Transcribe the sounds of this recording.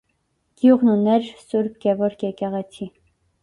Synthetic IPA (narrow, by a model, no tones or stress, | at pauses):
ɡ̥juʁnunɛɾsuɾb̚ɡɛvɔɾkjɛkɛʁɛt͡sʰi